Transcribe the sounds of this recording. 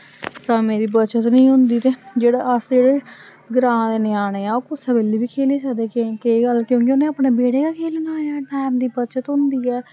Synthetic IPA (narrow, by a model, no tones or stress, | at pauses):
səmeːɾiːbət͡ʃət̪nəĩːɦʊnd̪iːt̪eːd͡ʒeːɽaːəsd͡ʒeːɽeː | ɡɾãːd̪eːnɪjaːneːaːoːkʊsəbeːliːbiːkʰeːliːsəkd̪eːkekeːɡəlkjõːk̬ioːnẽːəpɽeːbeːɽeːkaːkʰeːlnaːɛːʈɛːmd̪iːbət͡ʃət̪ɦʊnd̪iːɛː